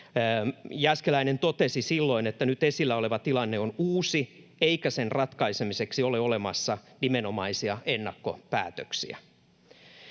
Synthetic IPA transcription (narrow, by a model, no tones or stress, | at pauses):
jæskelæinent̪ot̪esisilːo̞inet̪ːænyt̪esilːæoleʋɑt̪ilɑnːeonuːsi | eikæsenrɑt̪kɑisemiseksioleolemɑsːɑnimenomɑisiɑʔenːɑkːo̰pæ̰ːt̪øksḭæ̰